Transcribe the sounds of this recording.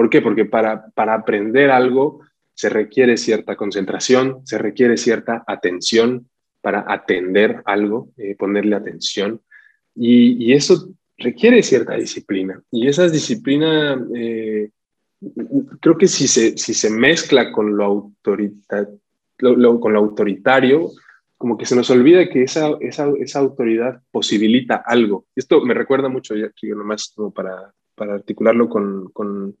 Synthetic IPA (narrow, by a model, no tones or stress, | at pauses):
po̞ɾke̞po̞ɾke̞paɾapaɾaːpɾe̞nd̪e̞ɾalɣo̞ | se̞re̞kje̞ɾe̞sje̞ɾt̪ako̞ns̬e̞nt̪ɾasjo̞nse̞re̞kje̞ɾe̞sje̞ɾt̪aʔat̪e̞nsjo̞n | paɾa̰ʔat̪e̞nd̪e̞ɾalɣo̞epo̞ne̞ɾle̞at̪e̞nsjo̞n | iːe̞so̞ | re̞kje̞ɾe̞sje̞ɾt̪aðisiplinaie̞s̬aðisiplinae | kɾe̞oke̞sise̞sise̞me̞sklako̞nloawt̪oɾit̪a | loloko̞nloawt̪o̞ɾit̪aɾjo̞ | ko̞mo̞ke̞se̞no̞so̞lβiðake̞esaʔe̞sae̞saːwt̪o̞ɾiðaðpo̞siβ̞ilit̪aʔalɣ̞o̞e̞st̪o̞me̞re̞kwe̞ɾðamut͡ʃo̞ʝakionomaskomo̞paɾa | paɾaːɾt̪ikulaɾlo̞ko̞nko̞n